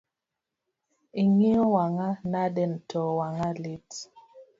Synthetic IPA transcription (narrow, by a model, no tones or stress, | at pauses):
iŋiɔwaŋanadɛntʰɔwaŋalit